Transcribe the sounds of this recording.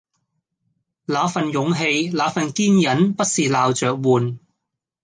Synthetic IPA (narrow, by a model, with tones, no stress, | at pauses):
laː˨˥fɐ˨njʊ˨˧ŋɦe˧jlaː˨˧fɐ˨nkiː˥njɐ˨˥npɐ˥t̚siː˨laː˨˧wt͡ʃœː˨k̚wuː˨n